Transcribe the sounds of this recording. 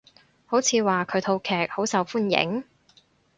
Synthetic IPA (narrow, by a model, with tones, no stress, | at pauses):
ho˨˥wt͡sʰiː˨˧waː˨kʰɵ˨˧˥t̪ʰo˧wkʰɛː˨k̚ho˨˥wsɐ˨˧wfuː˥njɪ̰˨˥ŋ